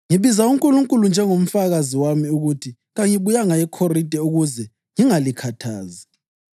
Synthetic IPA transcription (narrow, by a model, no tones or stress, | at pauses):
ŋiβizauŋkʼuluŋkʼulund͡ʒʱɛŋom̩faɣaziwamiuɣutʰi | ɣaŋiβujaŋaɛkʰorid̥ʼʱɛuɣuzɛ | ŋiŋalikʰatʰaːzi